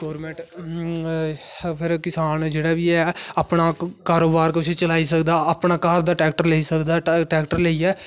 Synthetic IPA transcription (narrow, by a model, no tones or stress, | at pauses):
ɡɔːɾmɛ̃ːɳʈ | pʰɪɾkɪsaːnd͡ʒeːɽaːʋiːɛːapnaːkaːɾoːbaːɾkʊset͡ʃəlaːiːs̬əkd̪aːapnaːkaːɾd̪aːʈɾɛːk̚ʈəɾləiːsəkd̪aːʈɛːkʈəɾləiːɛː